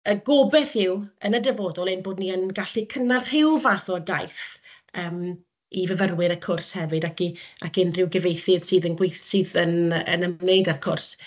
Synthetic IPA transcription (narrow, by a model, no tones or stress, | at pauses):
əɡobɛθɪwənədəvoːdɔlˠɪnboːdniənɡaɬikʰənarhɪlˠvaθɔdajθ | əːm | ivəvərwɪɾəkʰʊrshɛvɨdakiakɪnrɪwɡɛvejθɨð̥sɨːðənɡwejθsɨːðənə̰nənejdarkʰʊrs